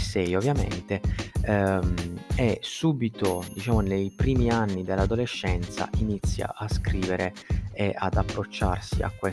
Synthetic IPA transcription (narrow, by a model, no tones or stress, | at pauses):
sɛjovːjamḛnt̪e | mesuːbit̪od̪it͡ʃaːmonejpɾiːmianːid̪elːad̪oleʃːɛnt̪sa̰ʔinit̪sːja̰ʔaskɾiːveɾeeʔa̰d̪apːɾot͡ʃːa̰rsḭa̰kːwe